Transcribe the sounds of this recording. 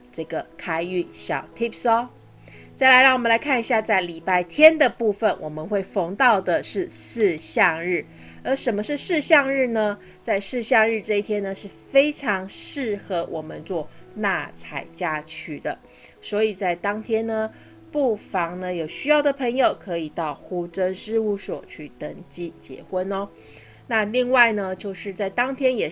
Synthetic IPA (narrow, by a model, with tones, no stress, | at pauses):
ʈ͡ʂɤ˥˩ɡə˩kʰa˥ɪy˥˩ɕjɑ˨˩ʊt̪ʰi˥psɔ˥ | t͡sa˥˩ɪla˧˥ɪɻɑ˥˩ŋwmə˦la˧˥ɪkʰa˥˩ni˧˥ɕja˥˧t͡sa˥˩ɪli˨˩pa˥˩ɪt̪ʰjɛ˥nd̪ə˨pu˥˩fə˩nwʔɔ˨˩mə˦nxwe˥˩ɪfo˧˥ŋt̪ɑ˥˩ʊd̪ə˨˩ʂɻ̩˥˧sɹ̩˥˧ɕjɑ˥˧ŋɻɻ̩˥˩ | ə˞˧˥ʂə˨˩nmə˦ʂɻ̩˥˧ʂɻ̩˥˧ɕjɑ˥˧ŋɻɻ̩˥˩nə˩ | t͡sa˥˧ɪʂɹɻ̩˥˧ɕjɑ˥˧ŋɻɻ̩˥˧ʈ͡ʂɤ˥˧i˥˩t̪ʰjɛ˥nə˨ʂɻ̩˥˩fe˥ɪʈ͡ʂʰɑ˧˥ŋʂɻ̩˥˩xɤ˧˥wʔɔ˨˩mə˦nt͡swɔ˥˧na˥˩t͡sʰa̰˨˩ɪt͡ɕja˥t͡ɕʰy˥˩d̪ə̰˦ | swɔ˧˥i˨˩t͡sa˥˩ɪt̪ɑ˥ŋt̪ʰjɛ˥nnə˨˩ | pu˥˩fɑ˧˥ŋnə˦jo˨˩ʊɕy˥jɑ˥˩ʊd̪ə˩pʰə˧˥ŋjo˨˩ʊkʰɤ˧˥i˨˩t̪ɑ˥˩ʊxu˥ʈ͡ʂə˥nʂɻ̩˥˧u˥˩swɔ̰˨˩t͡ɕʰy˥˩t̪ə˧˥ŋt͡ɕi˥t͡ɕjɛ̰˧˥xwə˥nɔ˦ | na˥˧li˥˧ŋwa˥˩ɪnə˩t͡ɕjo˥˧ʊʂɻ̩˥˧t͡sa˥˩ɪt̪ɑ˥ŋt̪ʰjɛ˥njɛ˨˩